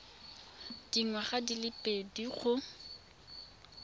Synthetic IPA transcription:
d̥iŋwaχadilɪpʼediχʰʊ

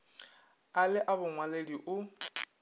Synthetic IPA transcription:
alɪʔabʊŋwalediʔʊ

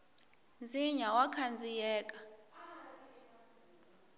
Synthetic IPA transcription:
nd͡ziɲawakʰand͡zʱijɛːkʼḁ

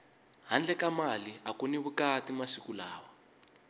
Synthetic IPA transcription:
ɦand͡ɮɛkamaliakuniβukatimaʂikulaːwa

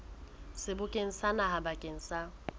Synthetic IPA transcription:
sɪbʊkʼeŋ̩sanahabakʼeŋ̩sa

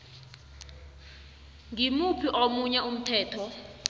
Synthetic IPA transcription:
ŋimupʰiʔomuɲɛum̩tʰɛːtʰɔ

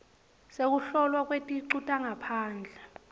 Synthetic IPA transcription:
sek̬uɬɔlwak̬ʼwetʼiǀutʼaŋapʰaːnd͡ɮʱɛ

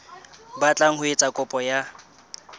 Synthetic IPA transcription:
bat͡ɬʼaŋ̩hʊet͡sʼakʼʊpʼɔja

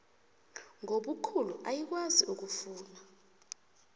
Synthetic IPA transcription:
ŋoɓukʰuluʔajik̬waziʔuk̬ufuːna

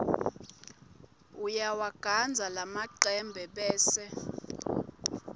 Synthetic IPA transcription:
ujawaɡ̥ʱand͡zʱalamaǃɛmbʱɛɓɛːsɛ

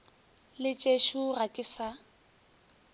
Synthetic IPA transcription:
lɪt͡ʃʼeʃurakʼɪsa

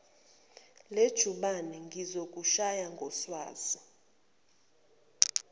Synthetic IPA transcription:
led̥ʒ̥ʱuɓanɛŋɡʱizok̬ʼuʃajaŋɡʱɔswa̰ːz̥i

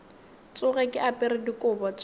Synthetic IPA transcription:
t͡sʼʊɣɛkʼɪapʼɪrɪdikʼʊbɔt͡sʼ

